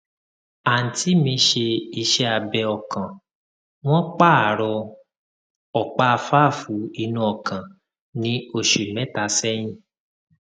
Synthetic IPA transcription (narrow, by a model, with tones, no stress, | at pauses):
a˨n̩˨ti˨˦mĩ˧ʃe˧i˧ʃɛ˧a˨bɛ˧ɔ˨kã˨ | w̃ɔ̃˦k͡pa˦˨a˨ɾɔ˧ | ɔ˨k͡pa˦˧fa˦˨fu˨˦i˧nũ˧ɔ˨kã˨ | nĩ˨˦o˦˨ʃu˨mɛ̃˨˦ta˧˦sɛ˦j̃ĩ˦˨